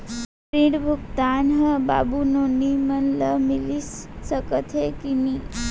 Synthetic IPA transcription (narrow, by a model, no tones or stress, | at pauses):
pɾiɽbʱukt̪anɦəba̰bunonimənləmilissəkət̪ʰɦekini